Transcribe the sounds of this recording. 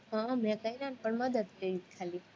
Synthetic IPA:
ɦãmɛ̃kəjɾanpəɳməd̪əd̪keɾit̪̚kʰali

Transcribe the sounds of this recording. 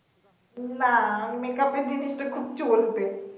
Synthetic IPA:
namekaped̪inisʈakʰubt͡ɕolt̪e

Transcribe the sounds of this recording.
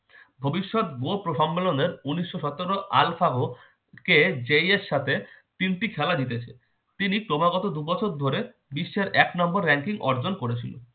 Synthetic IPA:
bʱobiʃːɔt̪̚ɡopɾoʃɔmbeloneɾuniʃːoʃɔt̪oɾoʔa̰lfaɦo | ked͡ʑeiesʃːat̪ʰet̪inʈikʰɛlad̪it̪et͡ɕʰe | t̪inikɾomaɡɔt̪od̪ubɔt͡ɕʰoɾd̪ʱoɾe | biʃːeɾɛknɔmboɾːɛŋkiŋʔɔ̰ɾd͡ʑonkoɾet͡ɕʰilo̰

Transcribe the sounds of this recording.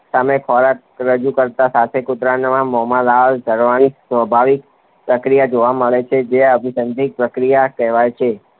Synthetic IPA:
samekʰɔɾak̚ | ɾəd͡ʒukəɾt̪asat̪ʰekʊt̪ɾanmãmɔmalaldʱəɾʋanisʋəbʱaʋik | pɾəkɾijad͡ʒoʋaməɭet͡ʃʰed͡ʒeəbʱisənd̪ʱik̚pɾəkɾijakɛɦʋajt͡ʃʰe

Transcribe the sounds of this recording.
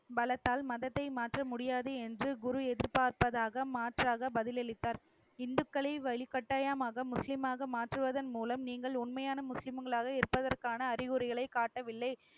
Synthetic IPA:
bɐlɐt̪ːaːlmɐðɐt̪ːɐɪmaːʈrɐmʊɽɪjaːðɯɛndrɯɡʊɾʊɛðɪɾpaːɾpɐðaːɣɐmaːʈraːɣɐbɐðɪlɛɭɪt̪ːaːɾ | ɪnd̪ɯkːɐɭɐɪʋɐɭɪkːɐʈːaːjaːmaːɣɐmʊslɪmaːɣɐmaːʈrɯʋɐðɐnmuːlɐmniːŋɡɐɭʊnmɐjaːnɐmʊslɪmŋɡɐɭaːɣɐɪɾɯpːɐðɐrkaːnɐːɾɪɣʊɾɪɣɐɭɐɪkaːʈːɐʋɪlːɐɪ

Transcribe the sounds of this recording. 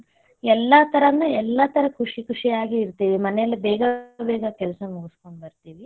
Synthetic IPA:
ɛlːɐt̪ʰɐɾɐnːɐɛlːɐt̪ʰɐɾɐkʰuʂikʰuʂijaːɡiːɾt̪iːʋimɐnɛjɐlːibɛːɡɐbɛːɡɐkɛlsɐmuɡuskoɳɖbɐɾt̪iːʋi

